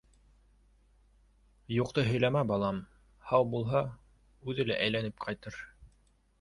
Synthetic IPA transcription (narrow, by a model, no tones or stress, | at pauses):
juq̚t̪ɤɦɵ̆jlæmæbɑlˠɑm | hɑwbulˠɦɑ | ʉðɘlæʔæjlænɘp̚qʰɑjt̪ɤɾ